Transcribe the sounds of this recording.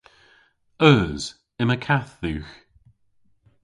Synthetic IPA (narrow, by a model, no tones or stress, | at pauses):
œːz̥ | ɪməkʰaθðʉːx